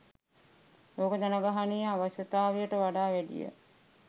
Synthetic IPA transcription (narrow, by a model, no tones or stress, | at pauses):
loːkəd͡ʒanaɡaɦanijaʋaɕjət̪aːʋijəʈəʋaɖaːʋæɖḭjə̰